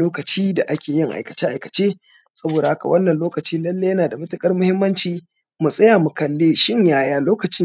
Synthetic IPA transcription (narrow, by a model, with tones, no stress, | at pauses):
loː˦kɐ˨t͡ʃiː˦da˨ʔa˦kʲeː˨jɪ˦ŋʔa̰˨jkɐ̥˨t͡ʃe˦ʔa˨jkɐ˨t͡ʃeː˦ | sɐ˦boː˨da˨ha˦ka̰˨wʔɐ˦nːɐ˨nloː˦kɐ˨t͡ʃiː˦lɐ˦lːe˦jɐ˦naː˨da˨mɐ˦tʊ˦kʼɐ˦rmʊ˦hɪ˦mːɐ˦nt͡ʃiː˦ | mu˨sʼɐ˦jaː˨mu˨kɐ˨lːeː˦ʃɪ˦ɲjaː˦jaː˦loː˦kɐ˨t͡ʃɪ˦